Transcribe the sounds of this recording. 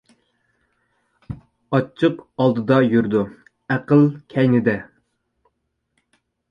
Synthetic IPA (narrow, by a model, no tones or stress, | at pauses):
ɑt͡ʃʰːɨqɑlˠd̪ɨd̪ɑjyɾd̪u | æqəlˠkʲʰɛjnɪd̪ɛ